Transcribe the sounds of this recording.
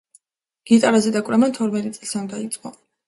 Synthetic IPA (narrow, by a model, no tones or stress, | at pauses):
ɡ̥it̪ʼaɾazɛd̪akʼwɾɛmant̪ʰɔɾmɛt̪ʼit̪sʼli̥sʰand̪ait̪sʼqʼɔ